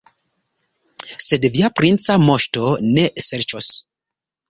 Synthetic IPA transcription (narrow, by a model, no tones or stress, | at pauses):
sedviapɾint͡samoʃtoneseɾt͡ʃos